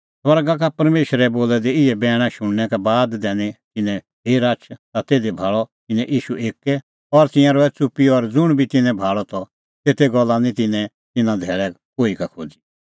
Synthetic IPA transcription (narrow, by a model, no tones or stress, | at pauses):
sʋɐɾɡak̬apɐɾmeːʃɾɛboːlɛd̪iɪɛbɛːɽ̃ãʃʊɽ̃nɛkɛbaːd̪d̪ɛːnit̪ɪnɛ̃ | ɦeːɾat͡ʃʰt̪at̪eːd̪ebʱaːɭɔt̪ɪnɛ̃ʔiːʃuʔeːkɛ | ɔɾt̪ɪ̃jãɾɔɛt͡sʊpiɔɾd͡zʊɽ̃bʱit̪ɪnɛ̃bʱaːɭɔt̪ɔ | t̪eːt̪eɡɔlːanĩt̪ɪnɛ̃ | t̪ɪnãd̪ʱɛːɭɛ | koːikakʰoːd͡zi̥